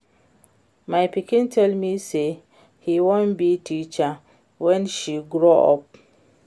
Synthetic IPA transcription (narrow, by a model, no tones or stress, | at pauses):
maɪpikĩntʰɛlmise | hiwõnbitʰit͡ʃa | wɛ̃nʃiɡɾoɔ̰p̚